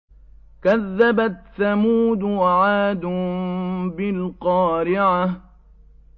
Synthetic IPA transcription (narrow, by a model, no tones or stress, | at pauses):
kaðːabaθamuːd̪waʕaːd̪ʊ | bɪlqɑːɾɪʕa